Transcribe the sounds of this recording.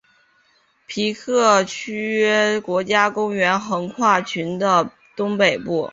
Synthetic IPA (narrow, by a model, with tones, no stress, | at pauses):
pʰi˧˥kʰɤ˥˩t͡ɕʰy˥ɛ˥kwɔ˧˥t͡ɕja˥kʊ˥ŋɥɛ˧˥nxɤ˧˥ŋkʰwa˥˩t͡ɕʰy˧˥nd̪ə˧ | t̪ʊ˥ŋpe˨˩ɪpu˥˩